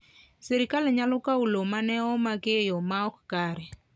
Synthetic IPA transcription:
seɾikaleɲalʊkaulomanɛɔmaɡejɔmaɔkkaɾɛ

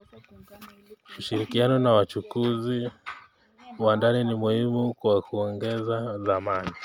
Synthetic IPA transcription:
uʃiɾikianɔnawat͡ʃukuzi | wandaninimuhimukwakuɔŋɡɛzaðamani

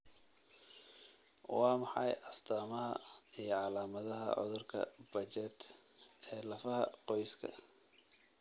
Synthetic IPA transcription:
wɑːmɑħɑjʔɐst̪ʰaːmɐɦɐijʕɑlaːmɐðɐɦɐ̰ʕʊ̰ðʊrkʰɐ̰b̥ɐt͡ʃɛd̪ɛːlɐfɐɦɐ̰qɔjskʰɐ̰

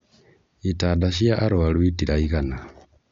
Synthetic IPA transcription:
itaːdaʃiaʔaɾoalwitiɾaiɣana

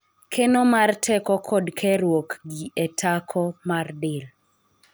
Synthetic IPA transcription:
kʰenomartʰɛkɔkʰɔdkʰɛɾwokɡiʔetʰakʰɔmardɪl

